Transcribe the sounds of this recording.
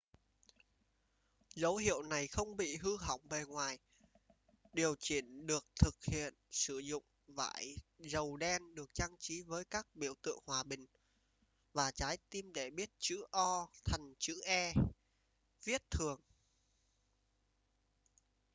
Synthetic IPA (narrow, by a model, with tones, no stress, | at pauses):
zə˨˦wɦḭ˧˨əwna˨˩jxə˧wŋ͡mɓḭ˧˨ɦɨ˧ɦa̰˧˩wŋ͡mve˨˩ŋwaː˨˩j | ɗi˨˩əwt͡ɕi˧˩ənɗɨ˨˩ək̚t̪ʰɨ˨˩k̚hḭ˧˨ənsɨ˧˩zʊ̰˧˨ŋ͡m | va̰ː˧˩jzə˨˩wɗɛ˧nɗɨ˨˩ək̚t͡ɕa˧ŋt͡ɕi˨˦vəː˨˦jkaː˦˥k̚ɓi˧˩əwt̪ɨ̰˧˨əŋhwaː˨˩ɓï˨˩ŋ̟ | vaː˨˩t͡ɕaː˨˦jt̪i˧mɗe˧˩ɓi˦˥ət̚t͡ɕɨ̰˧˥ʔɔ˧t̪ʰə˨˩ŋ̟t͡ɕɨ̰˧˥ʔɛ˧ | vi˦˥ət̚t̪ʰɨ˨˩əŋ